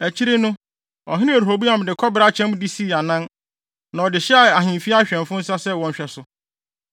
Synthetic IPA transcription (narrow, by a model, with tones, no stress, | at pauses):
æ˨t͡ɕʰi˦ɾe˦nʊ̃˦ | ɔ̰˨ɦɪ̃˦nɪ̃˦e˨ɾɦo˨bu˦a˨m˨dɪ˨kʰɔ˦bɾa˦t͡ɕʰɛ̃˦m̃˦di˦si˦˨a˨nã˦n | nã˨ɔ˨dɪ˨ɕɛ˦a˨a˨ɦɪ̃˨m˨fi˦a˦ɕᶣɛ̃˨nfʊ̃˦n̩˦sa˦sɛ˦˨wɔ̃˨ɲ˨ɕᶣɛ˦sʊ˦